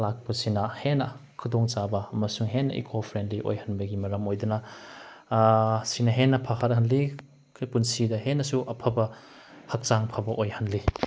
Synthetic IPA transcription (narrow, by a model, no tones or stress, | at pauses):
lak̚pɐsinɐhenːɐkʰudɔŋt͡ʃabɐːmɐsuŋɦenːɐ̰ʔḭkʰopʰɾendliʔo̰jhɐnbɐɡimɐɾɐmojdunɐ | sinɐɦenːɐpʰɐhɐɾ̚ɦɐnli | kʰpunsidɐɦenːɐsuʔɐpʰɐbɐ | hɐk̚t͡ʃaŋpʰɐbɐʔojhɐnli